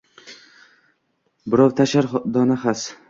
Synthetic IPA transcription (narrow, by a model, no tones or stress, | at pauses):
bɪɾɒwt̪ʰaʃaɾd̪ɒnaχas